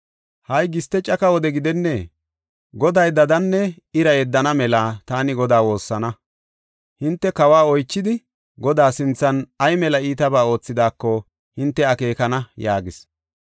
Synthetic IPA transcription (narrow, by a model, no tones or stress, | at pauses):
hɐjɡɪst̪ːɛt͡ʃʼɐkɐwɔd̪ɛɡɪd̪ɛnːɛ | ɡɔd̪ɐjd̪ɐd̪ɐnːɛ | ɪɾɐjɛd̪ːɐnɐmɛlaːt̪aːnɪɡɔd̪aːwo̞ːsːɐnɐ | hɪnt̪ːɛkɐwaːɔjt͡ʃːɪd̪ɪ | ɡɔd̪aːsɪnt͡sːɐnɐjmɛlɐiːt̪ɐbaːo̞ːt͡sːɪd̪aːkːɔ | hɪnt̪ːɛɐke̞ːkɐnɐjaːɡɪs